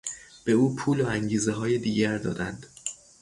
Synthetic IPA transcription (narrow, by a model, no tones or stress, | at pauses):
b̥e̞uːpʰuːloæŋɟiːzeɦɒːjed̪iːɟæɾd̪ɒ̰ːd̪ænd̪̥